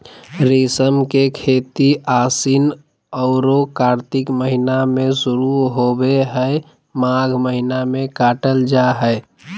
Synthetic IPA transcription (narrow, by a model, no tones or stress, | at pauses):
ɾisəmkekʰeːt̪iaːsin | ɔʊɾokaːɾt̪ɪkməɦinamẽsʊɾuɦobeɦəe | maɡʱməɦinamẽkaːʈəld͡ʒaɦəe